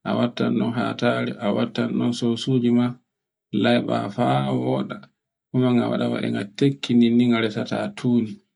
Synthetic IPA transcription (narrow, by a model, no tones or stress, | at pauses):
ʔa̰watːanɗɔnɦa̰taɾɛʔawatːanɗɔnsowsuːd͡ʒima | lajɓa̰fawɔːɗa | kumaŋawa̰ɗawa̰ɗɛ̰ŋɡatekʰːininiŋɡaɾɛsatatʰuːni